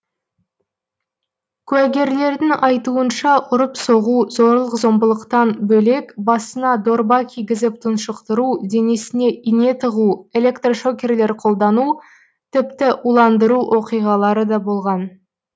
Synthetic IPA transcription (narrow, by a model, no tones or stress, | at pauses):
kʲʰʉæɡʲe̞ɾle̞ɾd̪ɪŋɑjt̪uənʃɑʔʊɾəpso̞ʁuzo̞ɾlˠəqzo̞mbəlˠəqt̪ɑnbɵle̞kbɑsənɑd̪o̞rbɑkʲijɡʲɪzɪp̚t̪ʰənʃəqt̪əɾud̪e̞nesɪne̞ʔijne̞t̪ʰəʁue̞lʲe̞kt̪roʃo̞kʲe̞rle̞ɾqʰo̞lˠd̪ɑnu | t̪ʰɪpt̪ɪʔulˠɑnd̪əɾuʔo̞qijʁɑlˠɑɾəd̪ɑbo̞lˠʁɑn